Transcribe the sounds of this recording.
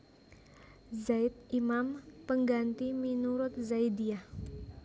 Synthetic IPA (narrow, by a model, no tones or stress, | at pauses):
zajt̪̚imampəŋɡant̪iminuɾʊt̪̚zajdiah